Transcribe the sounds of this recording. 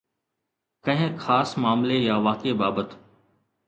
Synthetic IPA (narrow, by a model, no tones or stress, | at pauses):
kə̃ɦɪ̃xʰaːsmaːmlejaːʋaːkeːbaːbət̪